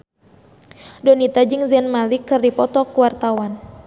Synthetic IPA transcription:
dɔnit̪ad͡ʒɨŋzɛnmalikɨrdipɔt̪ɔkuwart̪awan

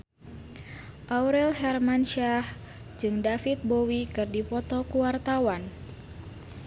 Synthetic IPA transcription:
ʔauɾɛlɦɛrmanʃah | d͡ʒɨŋdafit̪̚bowikɨrdipɔt̪ɔkuwart̪awan

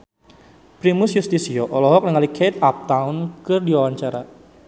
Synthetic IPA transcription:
pɾimʊsjust̪isiɔʔɔlɔɦɔk̚nəŋalikʰet̪̚ap̚t̪aʊnkɨrdiwawaɲt͡ʃaɾa

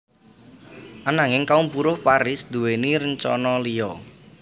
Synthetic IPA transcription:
ʔanaŋɪŋkaumpuɾʊhpaɾɪsd̪ṳweniɾəɲt͡ʃɔ̰nɔlijɔ

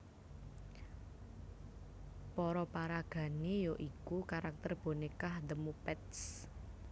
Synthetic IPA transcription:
pɔɾɔpaɾaɡ̥ä̤nejoʔikukaɾak̚t̪ərb̥o̤nekahd̪əmupɛt̪s

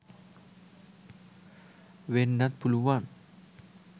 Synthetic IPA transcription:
wenːat̪̚buluwan

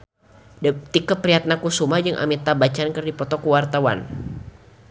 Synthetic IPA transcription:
t̪ikət̪̚pɾiɦat̪̚nakusumad͡ʒɨŋʔa̰mit̪abat͡ʃankərdipɔt̪ɔkuwart̪awa̰n

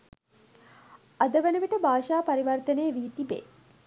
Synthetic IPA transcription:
ad̪əʋenəʋiʈəbʱaːʃaːpaɾiʋɐrt̪ənejːʋiːt̪ibḛː

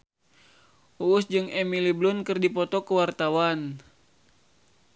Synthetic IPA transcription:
ʔuːsd͡ʒɨŋɛmiliblunkɨrdipɔt̪ɔkəwart̪awan

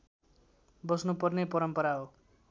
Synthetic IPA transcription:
bʌsnupʌrnepʌɾʌmpʌɾaɦo

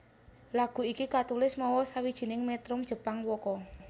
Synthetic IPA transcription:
laɡ̥ṳikikat̪ulɪsmɔwɔsawid̥ʒ̥i̤nɪŋmɛt̪ɾʊmd̥ʒ̥ə̤paŋwɔkɔ

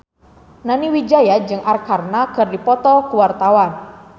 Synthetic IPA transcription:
naniwid͡ʒajad͡ʒɨŋʔarkarnakɨrdipɔt̪ɔkuwart̪awan

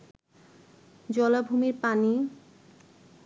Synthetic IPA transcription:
d͡ʑɔlabʱumiɾpani

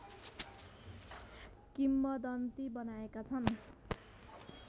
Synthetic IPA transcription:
kimːʌd̪ʌnt̪ibʌnaekat͡sʰʌn

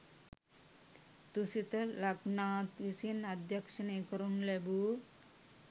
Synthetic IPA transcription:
t̪usit̪ɐlɐɡnaːt̪ʋisinad̪ʱjɐkʂɐnekəɾunlebu

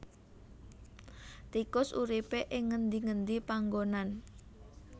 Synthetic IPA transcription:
t̪ikʊsṵɾipeʔɪŋːənd̪iŋənd̪ipaŋɡonan

